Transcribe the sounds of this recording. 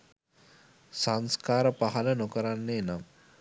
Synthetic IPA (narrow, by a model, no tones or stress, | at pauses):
saŋskaːɾəpaɦɐlənokəɾanːeːnam